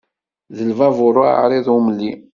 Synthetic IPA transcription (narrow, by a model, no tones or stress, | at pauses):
ðəlvɑvʊɾˤʊa̰ɾiðumlːi